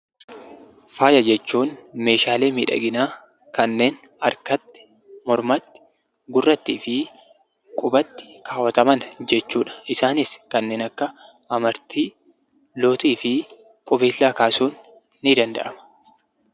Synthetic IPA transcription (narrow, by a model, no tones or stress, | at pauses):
faːjɐd͡ʒɛt͡ʃːuːnme̞ːʃaːle̞ːmiːᶑɐ̰ɡɪnaː | kɐnːe̞ːn | ɐɾkɐt̪ːɪ̥ | mɔɾmɐt̪ːɪ̥ | ɡʊrːɐt̪ːiːfɪ | kʼʊbɐt̪ːɪ̥kʰaːwɐt̪ɐmɐnd͡ʒɛt͡ʃːuːᶑɐ̥ʔɪsaːnɪskɐnːe̞ːnɐkːɐ | ɐmɐɾt̪iː | lo̞ːt̪iːfɪ | kʼʊbeːlːaːkaːsuːnː | ɪd̪ɐnd̪ɐ̰ʔɐmɐ̥